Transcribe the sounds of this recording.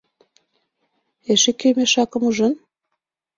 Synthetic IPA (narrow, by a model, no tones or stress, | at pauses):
eʃekømeʃɑkɤ̆muʒə̆n